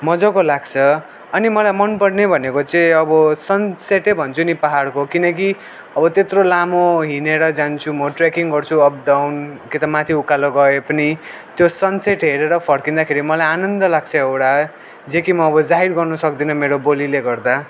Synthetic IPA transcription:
mʌd͡zʌkolaɡt͡sʰʌ | ʌnimʌlajmʌnpʌɽnebʱʌnekot͡sʌĩʌbʌsʌnseʈebʱʌnt͡sʰunipaɦaɽkokinʌk̬i | ʌbʌt̪et̪rolamoɦineɾʌd͡zant͡sʰumʌʈrekiŋɡʌrt͡sʰuʌp̚ɖawnkit̪ʌmat̪ʰiukaloɡʌepʌni | t̪josʌnseʈɦeɾeɾʌpʰʌɽkind̪akʰeɾimʌlajanʌnd̪ʌlaɡ̚t͡sʰʌewɽa | d͡zekimʌːbʌd͡zaɦiɾɡʌrnʌsʌkd̪inʌmeɾobolileɡʌrd̪a

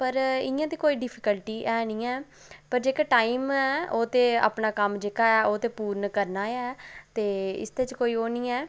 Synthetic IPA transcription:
pəɾɪ̰jãːt̪eːkoːiːɖɪpʰɪkəlʈiːʔɛːnĩːɛː | pəɾd͡ʒeːkaːʈaːiːmɛːoːt̪eːa̰ːpnaːkəmd͡ʒeːkaːɛːʔoːt̪eːpuːɾnkəɾnaːɛːt̪eːɪ̰st̪eːt͡ʃkoːiːoːnĩːɛː

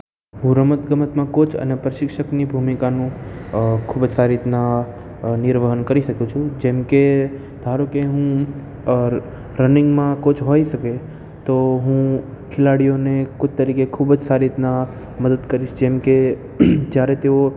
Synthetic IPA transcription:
ɦũɾəmət̪ɡəmət̪mãkʊt͡ʃʰə̰nɛpɾəʃɪkʃəknibʱuːmikanũ | kʰubd͡ʒsaːɾiɪt̪na | nɪɾʋəɦənkəɾisəkũt͡ʃʰũd͡ʒẽːmke | d̪ʱaːɾukeɦũ | ɾ | ɾənɪ̃ŋɡmãkʊt͡ʃʰɦoːisɐke | t̪oɦũ | kʰɪlaːɽijõnekʊt͡ʃʰt̪əɾiːkekʰubd͡ʒsaːɾiɪt̪na | məd̪əd̪kəɾit͡ʃʰd͡ʒeːmke | d͡ʒjaːɾet̪eo

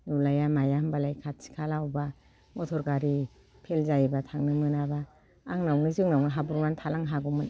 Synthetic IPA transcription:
nulajamajambalajkʰat̚si̥kʰalawba | mɔtʰɔɾɡaɾi | pʰelzajbatʰaŋnɯmɯnabaː | ŋnawnizɯŋnawnɯɦabuɾmantʰalaŋɦaɡumɯn

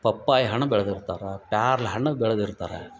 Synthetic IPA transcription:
pɐpːaːjɦɐɳɐʋɛɭɐðɪɾɯt̪ːaːɾapaːɾlɦɐɳɐʋɛɭɐðɪɾɯt̪ːaːɾa̰ː

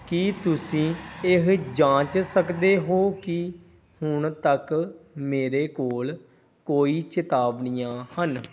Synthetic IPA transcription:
kit̪ʊsĩːɪɦd͡ʒãːt͡ʃsəkd̪eːɦoːkɪ | hʊɳt̪əkmeːɾeːkoːl | koːiːt͡ʃɪt̪aːbɳɪjãːhən

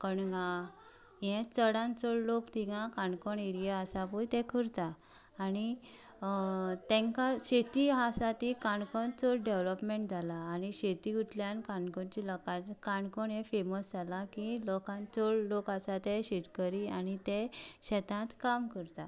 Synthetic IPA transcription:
kəɳɡã | jɛ̃t͡səɽãnt͡sɔɭlokt̪iɡãkãɳkɔɳiɾijəasapujt̪ɛ̃kʰəɾt̪aː | ni | t̪ɛ̃ŋkaɕet̪iɦasat̪ikaɳkɔnt͡sɔɭɖeʋlɔpmeɳʈ̚d͡zʱalaːniɕet̪iut̪ljankãɳkɔɳt͡ɕilɔkãt̪kaɳkɔɳjɛ̃feməsd͡zʱalakilɔkãnt͡sɔɭlokasat̪eɕit̪kəɾianit̪ẽɕɛt̪ãt̪kamkəɾt̪a

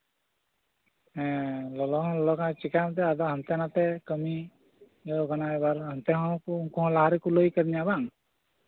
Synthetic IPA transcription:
ɦɛ̃lɔlɔɦɔ̃lɔlɔkaat͡ʃikamt̪ɛad̪ɔɦənt̪janat̪ɛkəmi | ɔɡʱanaɛbaɾɦənt̪ɛɦɔ̃kuŋkuɦɔ̃laɦaɾikulojkəɾiɲabaŋ

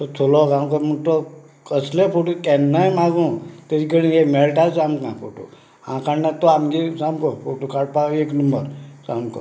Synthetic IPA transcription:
t̪ɔt̪ʰolɔɡãmkɔmət̪ɔ | kəslepoʈukɛnːajmaɡũːt̪eɾikəɽinemɛɭʈat͡samkãpʰo̰ʈṵ | ã̰kaɳnat̪ɔamɡisamkɔfoʈukaɽ̚paeknəmbəɾsamkɔ̰

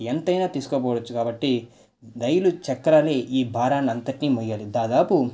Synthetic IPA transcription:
ent̪ɐjnaːt̪iːsu̥kopɔːɽɐt͡ʃːukaːbɐʈːi | d̪ɐjulut͡ʃɐkːɐɾaːleːʔiːbʱaːɾaːnɐnt̪ɐʈnimɔjːaːlid̪aːd̪aːpu

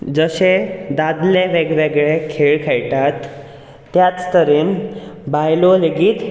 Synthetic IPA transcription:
d͡zəɕed̪ad̪leʋeɡʋeɡɭekʰeɭkʰejʈat̪ː | jat͡st̪əɾinbajloleɡiːt̪

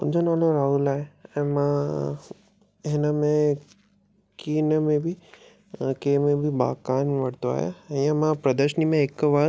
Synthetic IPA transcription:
ʊ̰̃ɲd͡ʑonaːloɾaːɦulaːɦeɛ̃ːmã | ɦɪnəmẽ | kiːnəmẽbʱi | keːmẽbʱiba̰ːkaːnʋɐɽt̪oa̰ːɦja̰ɛ̃ãmãpɾɐd̪əɾʃənimẽːkʋaɾ

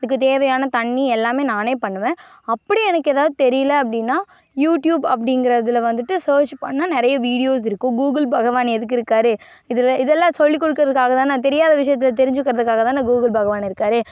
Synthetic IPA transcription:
ɐðɯkːɯt̪eːʋɐjaːnɐt̪ɐɳːiɛlːaːmeːnaːneːpɐɳːɯʋẽː | ɐpːɐɽiɛnɐkːeːðaːʋðɯt̪ɛɾɪjɐlɐɐp̬ːɐɽɪnːaː | juːʈjuːbɐp̬ːɐɽɪŋɡɪɾɐðɪlʋɐnd̪ɯʈːɯsɐːɾt͡ʃpɐ̰ɳːɐnɪɾɐjɐʋiːɽɪjoːs̬ɪɾɯkːʊ̃ɡuːɡɪlbɐɣɐʋaːnɛðɯk̬ːɪɾɯkːaːɾɯ | ɪðɛlɪðɛlːãːsɔɭːik̬ːɔɽɯk̬ːɯɾɐðɯkːaːɣɐt̪ãːnãːt̪ɛɾɪjaːðɐʋɪʂ̬ɐjɐt̪ːɪlɐt̪ɛɾɪɲd͡ʒɯkːɪɾɐðɯkːaːɣɐt̪ãːnaːɡuːɣɪlbɐɣɐʋaːnɪɾɯkːaːɾɯ

